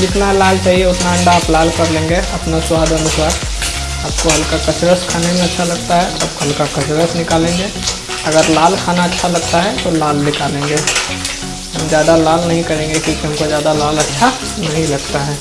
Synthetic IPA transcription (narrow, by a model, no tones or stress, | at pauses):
d͡ʒɪt̪nalaːlt͡ʃaːɦieʊt̪naɐɳɖaːplaːlkɐɾlẽːŋɡeɐpnaswaːd̪ɐnʊswaːɾ | aːp̚koɦɐlkakɐt͡ʃɾəskʰaːnemẽɐtːʃʰalɐɡt̪aɦɛʔɐ̰b̚kʰɐlkakɐt͡ʃɾəsnɪkaːlẽːŋɡe | ɐɡəɾlaːlkʰaːnaɐtːʃʰalɐɡt̪aɦɛt̪olaːlnɪkaːlẽːŋɡeː | ɦɐmd͡ʒjaːd̪alaːlnɐɦĩkɐɾẽːŋɡekjõːkiɦɐmkod͡ʒjaːd̪alaːlɐtːʃʰa | nɐɦĩlɐɡt̪aɦɛː